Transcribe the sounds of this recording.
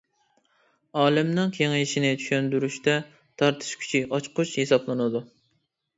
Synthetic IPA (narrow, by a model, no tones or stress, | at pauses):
ɑːlɪmnɨŋkʲʰeŋiʃinɪt͡ʃ̪ʰy̥ʃønd̪yɾyʃt̪ɛ | t̪ʰɑɾt̪ʰɨ̥ʃkʲʰy̥t͡ʃʰiɑt͡ʃqʰʊt͡ʃhesɑplˠɨnɨd̪u